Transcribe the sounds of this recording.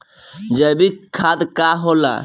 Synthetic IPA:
d͡ʒəbikʰaːd̪kaɦola̰

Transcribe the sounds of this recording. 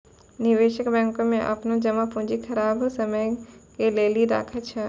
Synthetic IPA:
nɪʋeːʃəkbɛ̃ːŋkõmẽʔɐ̰pnõd͡ʒɐmapũd͡ʒikʰɐɾaːbsɐməjkeleːliɾa̰ːkʰət͡ʃʰɐ

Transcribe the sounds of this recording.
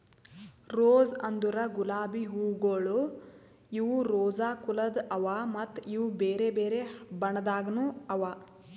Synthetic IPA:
ɾoːzɐnd̪uɾɐɡulaːbiɦuːɡoɭu | iʋuɾoːd͡ʒaːkulɐd̪ɐʋamɐt̪ːiʋubeːɾebeːɾebɐɳɐd̪aːɡɐnuɐʋaː

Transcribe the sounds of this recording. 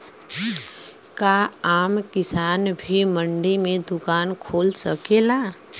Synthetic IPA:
kaaːmkɪsaːnbʱiməɳɖimẽd̪ʊkaːnkʰoːlsəkela

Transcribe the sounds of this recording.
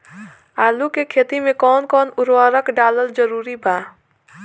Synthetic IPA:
aːlukekʰeːt̪imẽkɔːnkɔːnʊɾwaːɾəkɖaːləld͡ʒəɾuːɾibʱaː

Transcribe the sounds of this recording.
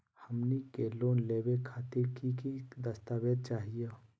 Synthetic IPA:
həmnikeːlõːnleːwekʰaːt̪ɪɾkikid̪əst̪aːʋed̪̚t͡ʃaːɦije

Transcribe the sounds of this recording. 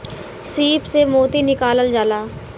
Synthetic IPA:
siːpsemoːt̪inɪkaːləld͡ʒaːlaː

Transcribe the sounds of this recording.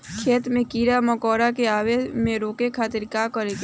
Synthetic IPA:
kʰeːt̪mẽkiːɾaməkɔːɾakeaːʋeːmẽɾoːkekʰaːt̪ɪɾkaːkəɾeɡ

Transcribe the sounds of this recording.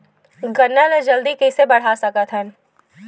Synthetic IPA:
ɡɐnːaned͡ʒɐld̪ikisebɐɽ̤asɐkat̪ʰən

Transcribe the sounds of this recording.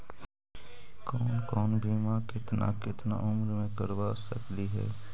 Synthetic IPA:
kɔːnkɔːnbʱiːmakɪt̪na̰kɪt̪na̰ʔʊmɾmẽkəɾʋasə̰kliɦɛ̰ː

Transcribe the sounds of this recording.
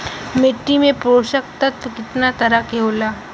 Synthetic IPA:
mɪʈːimẽpɾoːʃəkt̪ɐt̪kɪt̪nat̪ɐɾakeɦoːlaː

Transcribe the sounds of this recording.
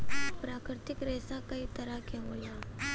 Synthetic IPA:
pɾaːkɾɪt̪ɪkɾɛːsakɐit̪ɐɾakeɦoːjaː

